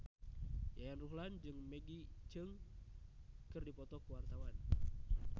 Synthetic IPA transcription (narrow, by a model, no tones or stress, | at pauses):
jajanruɦland͡ʒɨŋmeɡit͡ʃɨŋ | kɨrdipɔt̪ɔkuwart̪awan